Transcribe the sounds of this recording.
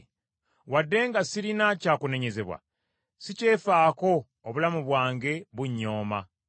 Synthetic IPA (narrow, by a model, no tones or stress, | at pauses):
wadːe̞ːŋɡasiɾinacaːkune̞ɲe̞ze̞βwa̰ | sice̞ːfaːko̞ː | βulamuβwaːŋɡe̞βuɲːo̞ːma